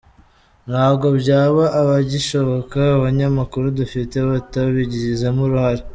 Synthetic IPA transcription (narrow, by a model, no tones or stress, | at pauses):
nhaːbɡo̞bɟaːβaʔːβaɟiʃo̞βokaːβaɲamakuɾudufiteβataβiɟiɾizamuɾuhaɾe